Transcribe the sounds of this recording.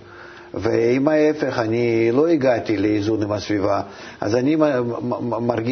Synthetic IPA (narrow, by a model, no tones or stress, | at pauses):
veimaefeχanʲilo̞iɡat̪ʲileizunimasvʲiva | a̰zanʲi | marɡʲ